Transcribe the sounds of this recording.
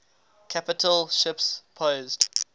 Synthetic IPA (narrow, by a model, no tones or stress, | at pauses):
kʰapɪtʰəlˠʃɪpspʰoʊzd̥